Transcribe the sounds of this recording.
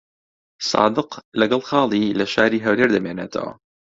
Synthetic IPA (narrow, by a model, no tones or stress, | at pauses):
sɑ̰ːd̪ɨqlɐɡɐlˠxɑːlˠilɐʃaːɾiːɦɐwleɾd̪ɐmeːneːt̪ʰɐ̰wɐ̰